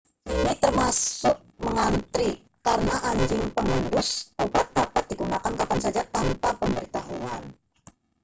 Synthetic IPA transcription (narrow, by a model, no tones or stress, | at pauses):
ʔinit̪ərmasʊk̚məŋant̪ɾi | kaɾənaʔaɲd͡ʒɪŋpəŋəndʊsobat̪̚d̪̥apat̪̚d̥̪iɡunakankapansad͡ʒat̪ampapəmbəɾit̪aɦuan